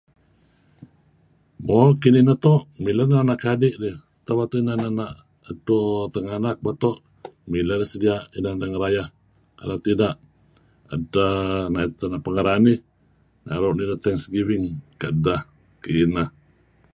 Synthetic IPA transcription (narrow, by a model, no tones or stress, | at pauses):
mokininat̪ɔʔmilanaanaʔkadɪʔdeh | t̪awat̪uinananaʔ | ədot̪əŋanak̚bat̪ɔʔ | miladəsədiaʔinadaŋəɾajah | ka̰lat̪idaʔ | ə̰danaʔit̪ənaʔpəŋəɾani | na̰ɾoʔnidət̪ɛŋsɡiwɪŋkaʔdah | kiːnah